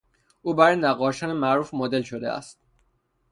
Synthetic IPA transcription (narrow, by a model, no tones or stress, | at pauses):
ʔuːbæɾjnæɣɒːʃɒːnemæʔɾuːfmod̪e̞lʃod̪eʔæ̰st̪̚